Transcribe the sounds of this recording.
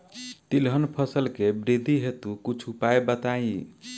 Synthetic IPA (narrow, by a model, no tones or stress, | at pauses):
t̪ilɦənpʰʌsəlkebɾid̪ʱiɦet̪ukut͡ʃʰupaebət̪aĩ